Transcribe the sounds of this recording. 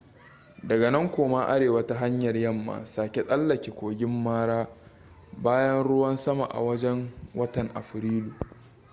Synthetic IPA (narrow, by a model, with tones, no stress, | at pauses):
dɐ˨ɡa˨nɐ˦ŋkʷoː˨ma˦ʔa˦ɽeː˨wɐ˦ta˦ɦa˦ɲjɐ˨rjɐ˦˨mːa̰ː˨saː˨kʲe˦sʼɐ˦lːɐ˨kʲe˨kʷoː˨ɡʲɪ˦mːaː˦ɽaː˦ | baː˦jɐ˦nɽʊ˦wɐ˦nsɐ˦ma̰˨ʔa̰˨wɐ˦d͡ʒɛ˦ŋwɐ˦tɐ˨ŋʔa̰˨ɸɾiː˦luː˨